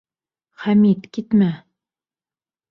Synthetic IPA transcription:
χæmit̪kit̪mæ

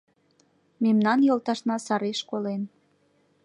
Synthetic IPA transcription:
memnɑnjolˠt̪ɑʃnɑsɑɾeʃkolen

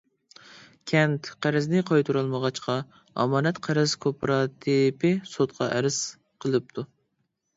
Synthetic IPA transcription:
kʲʰɛnt̪qʰæɾɪznɪqʰɑjt̪ʰuɾɨlˠməʁɑt͡ʃqɑ | ɑ̰mɑːnɛt̪qʰæɾɪz̥kʰopʰɾɑt̪ʰipʰɪsot̪qʰɑ̰ʔɛɾɪz̥ | qʰəlˠɨp̚t̪ʰu

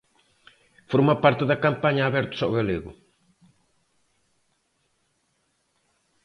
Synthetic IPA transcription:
foɾmɐpaɾt̪eðɐkampaɲɐːβɛɾt̪o̥saɣaleɣʊ̰

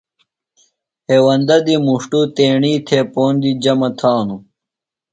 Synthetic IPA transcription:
heːwɐnd̪ɐd̪imuʂʈut̪eːɳiːt̪ʰepoːnd̪id͡ʑɐmɐt̪ʰaːnu

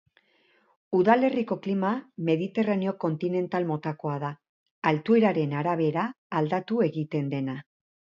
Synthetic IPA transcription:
uðale̞riko̞klimame̞ðit̪e̞raneo̞ko̞nt̪ine̞nt̪almo̞t̪ako̞aðaː | lt̪ueɾaɾe̞naɾaβ̞e̞ɾaː | ld̪at̪ue̞ɣit̪e̞nd̪e̞na

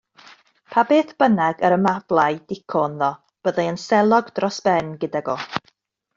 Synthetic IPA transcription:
pʰabeːθb̥ənaɡəɾəmavlˠajdɪkʰɔnðɔ | b̥əðaənsɛlˠɔɡdrɔsb̥ɛnɡədaɡɔ

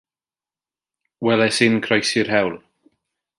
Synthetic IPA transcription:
wɛlɛsɪnkʰrɔjsɪrhɛwlˠ

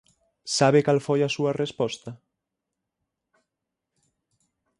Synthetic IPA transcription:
saβ̞ekalfojɐsuɐrespɔst̪ɐ

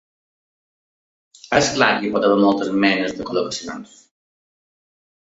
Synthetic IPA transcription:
əsklaɾipɔt̪aβɛɾmɔlˠt̪əzmɛnəzðəkoləkəsia̰ns

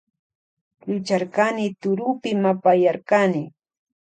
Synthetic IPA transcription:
lʊt͡ʃaɾkanɪt̪ʊɾʊpɪmapajaɾkanɪ

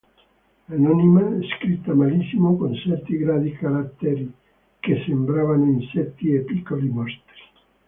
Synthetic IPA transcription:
anɔnimaɛskɾit̪ːamalisimokonsɛɾt̪iɡɾad̪ikaɾat̪ːeɾi | kesembɾavanoinsɛt̪ːiepikːolimɔst̪ɾi̥

